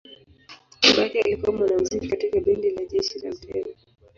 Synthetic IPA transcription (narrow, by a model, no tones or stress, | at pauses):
iɓakɛa̰likuwamwanam̩zikikatikaɓindilaʄɛʃila̰m̩tʰɛza